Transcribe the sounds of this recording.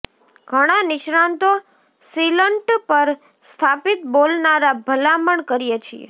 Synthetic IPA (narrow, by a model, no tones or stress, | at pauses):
ɡʱəɽ̃anɪʃɾant̪o | siləɳʈpəɾ | st̪ʰapit̪bolnaɾabʱəlaməɳkəɾijet͡ʃʰiḛ